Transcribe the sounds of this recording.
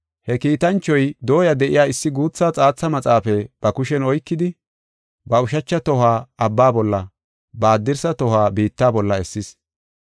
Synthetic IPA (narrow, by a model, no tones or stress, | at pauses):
hɛkiːt̪ɐnt͡ʃːɔjd̪o̞ːjɐd̪ɛʔɪjaːɪsːɪɡuːt͡sːaːt͡sʼaːt͡sːɐmɐt͡sʼaːfɛb̥ɐkʊʃɛnɔjkːɪd̪ɪ | bɐʊʃɐt͡ʃːɐt̪ɔhaːɐbːaːbɔlːɐ | baːd̪ːɪɾsɐt̪ɔhaːbiːt̪ːaːbɔlːɐɛsːɪs